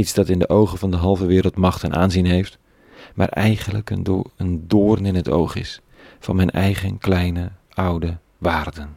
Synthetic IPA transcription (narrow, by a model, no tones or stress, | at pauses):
itsd̥ɑtɪndəʔowχənvɑndəɦɑlˠvəʋɪːɾəlˠtmɑχtɛnʔa̰ːnzinɦejft | maːrʔɛjχənləkənəndʊːrnɪnɦəto̰wχɪ̰s | fɑ̰nmɛjnʔɛjχənklɛjnə | ʌwdə | ʋaːrdən